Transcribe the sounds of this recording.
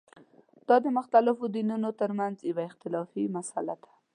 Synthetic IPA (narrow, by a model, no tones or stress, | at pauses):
d̪̥ɑd̪əmʊxt̪alɪfod̪inunot̪əɾmanzjawaɪxt̪ɪlɑfimasalad̪ḁ